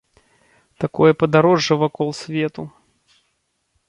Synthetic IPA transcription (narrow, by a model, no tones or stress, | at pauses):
t̪akɔjɐpɐd̪aɾɔʐːɐvakɔlˠsʲvʲɛt̪u